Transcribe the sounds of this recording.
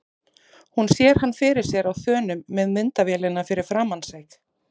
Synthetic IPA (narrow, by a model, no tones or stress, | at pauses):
hunsjɛɾ̥hanːfɪɾɪɾ̥sjɛɾawθœːnʏmːɛðmɪnt̪avjɛːlɪnːafɪɾɪɾ̥fɾaːmansejx